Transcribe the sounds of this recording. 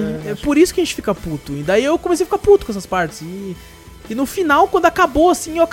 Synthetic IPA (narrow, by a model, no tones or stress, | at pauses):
ɛpoɾisʊkɪɐʒẽnt͡ʃɪfikɐput̪ʊĩd̪aiewkomesejfikaɾput̪ʊkõɛsɐspaɾt͡ʃɪ̥z̥ɪ | ɪnʊfinawkwɐ̃nd̪ʊakaboasĩewak